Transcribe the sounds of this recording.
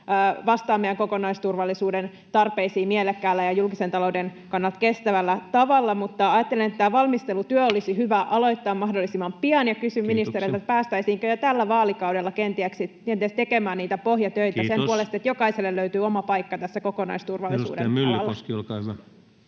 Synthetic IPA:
ʋɑst̪ɑːmːejæŋko̞konɑist̪urʋɑlːisuːden | t̪ɑrpeisiːmielekːæːlːæjɑjulkisent̪ɑloudenkɑnːɑlt̪kest̪æʋælːæt̪ɑʋɑlːɑmut̪ːɑɑjɑt̪ːelenet̪ːt̪ːæːʋɑlmist̪elut̪yøolisiɦyʋæʔɑlo̞it̪ːɑːmɑhdolːisimɑmpiɑnjɑkysymminist̪eɾit̪et̪pæːst̪æisiːŋkøjot̪ælːæʋɑːlikɑwdelːɑkent̪iæksikent̪iæst̪ekemæːnniːt̪æpohjɑt̪øjt̪æsempuolest̪iet̪jokɑiselːelløyt̪yːomɑpɑikːɑt̪æsːækokonɑ̰ist̪urʋɑlːisṵːdḛyːɑlːɑlkɑsɑ

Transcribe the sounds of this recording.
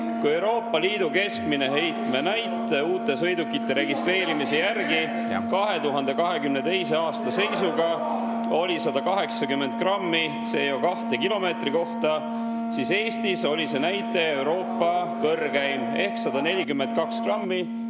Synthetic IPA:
kue̞wɾo̞ːpˑːɑliːd̪̥uke̞skmine̞ɦe̞jt̪me̞næjt̪ːˑe̞uːt̪ːˑe̞sɤ̞jd̪ukːit̪ːˑe̞ɾe̞ɡ̥ist̪re̞ːɾimise̞jærɡi | kɑɦe̞t̪uɦɑnd̪̥e̞kɑɦe̞kymne̞t̪e̞jse̞ɑːst̪ɑse̞jsuɡɑ | o̞lʲisɑd̪̥ɑkɑɦe̞ksɑkymːe̞nt̪̚krɑmːit̪se̞ːjo̞kɑht̪ekilo̞me̞ːt̪riko̞ht̪ɑ | sise̞ːst̪iso̞lʲise̞næjt̪ːˑe̞ːwɾo̞ːpˑːɑkɤrːɡæjme̞hksɑd̪̥ɑne̞lʲikymːe̞nt̪̚kɑkskrɑmːi

